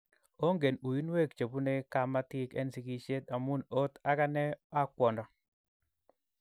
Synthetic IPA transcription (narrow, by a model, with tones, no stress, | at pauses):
o˦ŋɡe˨nu˨i˦n˦we˦˨kt͡ʃo˨pu˦ne˦ka˦ma˦tɪ˦kɛ̰˦nsi˨ki˨˦ʃe˦t̪a˨mu˦no˦t̪a˦ka˦nɛ˦a˦kwɔ˨ndɔ˨